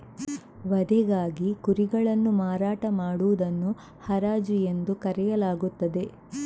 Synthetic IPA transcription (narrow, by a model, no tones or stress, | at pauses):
ʋɐd̪ɛɡaːɡikuɾiɡɐɭɐnːumaːɾaːʈɐmaːɽuʋud̪ɐnːu | hɐɾaːd͡ʒuje̞nd̪ukɐɾɛjɐlaːɡut̪ːɐd̪e̞